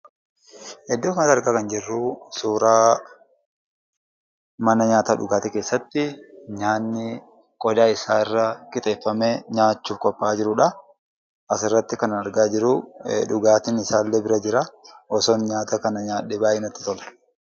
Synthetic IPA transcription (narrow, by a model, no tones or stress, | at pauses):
hɛd̪ːoːɲaːt̪ɐɾɡaːkɐnd͡ʒɛrːusuːɾaː | mɐnɐɲaːt̪ɐᶑʊ̰ɡaːt̪ɛke̞ːsːɐt̪ːɪɲaːnːɪ | kʼɔd̪aːɪsaːɪrːɐkʼɪt̪ʼe̞ːfːɐmeɲaːt͡ʃːuːfkʼɔpʼːaːd͡ʒɪɾʊᶑɐ | ɐsɪrːɐt̪ːɪkɐnɐɐɾɡaːd͡ʒɪɾʊᶑʊɡaːt̪ɪnɪsaːlːeːbɪɾɐd͡ʒɪɾɐɔsɔnɲaːt̪ɐkɐnɐɲaːᶑebaːʔɪnɐt̪ːɪ̥t̪ɔlɐ̥